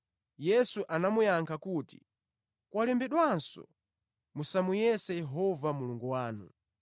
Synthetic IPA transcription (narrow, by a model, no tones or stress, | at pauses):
jɛsuʔanamujaŋkʰakuːti̥̰ | kwalɛmbɛɗwansɔ̰ | musamujɛsɛjɛɦɔvamuluŋɡuwaːnu